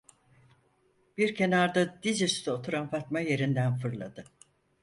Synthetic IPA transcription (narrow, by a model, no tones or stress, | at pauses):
b̥iɾcʰe̞naɾd̪ad̪izyst̪ʰɛot̪ʰuɾanfat̪maje̞ɾind̪ænfɯɾlˠa̰d̪ɯ